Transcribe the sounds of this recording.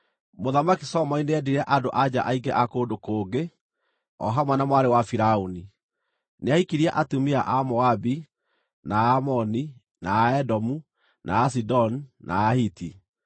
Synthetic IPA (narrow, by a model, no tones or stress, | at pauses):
moðamakisɔmɔineɛdiɾɛʔadoʔad͡ʑa̰ʔaiɡɛʔakoːdokoːɡe | ɔ̰ɦamwanamwaɾewafiɾauni | neaikiɾiaʔatumiaʔamɔabi | naːmɔni | naːɛdɔmu | nʔaːs̬idɔnnʔa̰ːhiti